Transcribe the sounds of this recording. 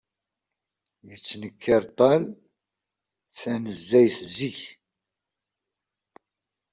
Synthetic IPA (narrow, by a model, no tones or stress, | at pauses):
jət͡sːnəkʰːɪɾt̪ˤɑl | θænəzːæjθziç